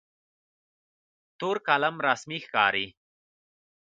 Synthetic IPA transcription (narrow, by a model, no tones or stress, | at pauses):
t̪uːɾkalamɾasmixkɑ̰ːɾi